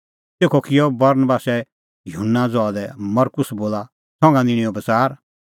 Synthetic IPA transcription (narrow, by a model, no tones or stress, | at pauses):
teːkʰɔkɪjɔbɐɾnəbaːsɛ | jʊɦʊnːad͡zɔad̪ɛmɐɾkʊsboːla | sɔ̃ŋɡãd̪ɪɽ̃iɔbɐt͡saːɾ